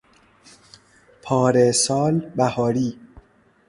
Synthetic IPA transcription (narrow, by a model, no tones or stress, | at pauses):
pʰɒːɾesɒːlbæhɒːɾiː